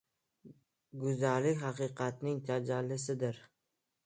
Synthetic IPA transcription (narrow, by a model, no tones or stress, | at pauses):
ɡʊzalɪkʲhɑqɨqʰɑt̪nɪŋt̪ʰad͡ʒalːɪsɪd̪ɪɾ